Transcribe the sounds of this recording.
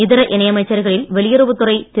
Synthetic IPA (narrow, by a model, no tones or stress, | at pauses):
ɪðɪɾɐʔɪnɐjɐmɐɪt͡ʃːɐɾɣɐɭɪlʋɛɭɪjɐɾɯʋɯt̪ːɯrɐɪt̪ɪ